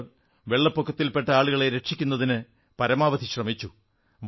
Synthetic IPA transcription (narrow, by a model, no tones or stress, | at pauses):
ʋeɭːɐpːokʰːɐt̪ːilpe̞ʈːɐaːɭuɣɐɭe̞ɾeʈʂikʲːunːɐðinɨ | pɐɾɐmaːʋɐd̪iɕrɐmit͡ɕːu | ʋ